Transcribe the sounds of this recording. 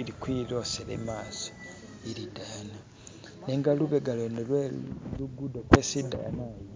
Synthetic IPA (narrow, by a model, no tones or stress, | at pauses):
ilikwilo̞selḛmaːso̥ | iɾidana | neŋɡaluβeɡalonelweluɡudokweːsida̰naːjo